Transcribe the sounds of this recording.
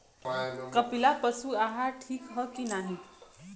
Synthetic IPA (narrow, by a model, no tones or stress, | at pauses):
kəpilapəsuaɦaʈʰiːkɦəkiːnaɦi